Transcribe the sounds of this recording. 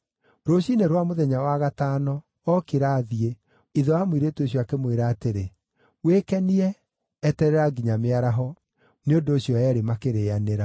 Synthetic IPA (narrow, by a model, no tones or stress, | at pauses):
ɾoɕineɾwamoðɛɲawaɣataːnɔ | ɔkeɾaːðie | iðɔamwiɾetoɕjɔakemweɾaːteɾe | wekɛniɛː | tɛɾɛɾaɡiɲameaɾaɦɔ | neondoːɕijɔɛɾemakeɾeaneɾa